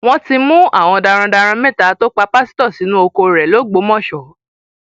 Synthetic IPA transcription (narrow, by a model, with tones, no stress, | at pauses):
w̃ɔ̃˦ti˧mũ˦a̰˦˨w̃ɔ̃˧da˧ɾ̃ã˧da˧ɾ̃ã˧mɛ̃˦˨ta˨˦to˦k͡pa˧pa˦si̥˦tɔ˦˨si˨˦nũ˦o˧ko˧ɾɛ˨lo˨˦ɡ͡bo˨˦mɔ̃˦˨ʃɔ˨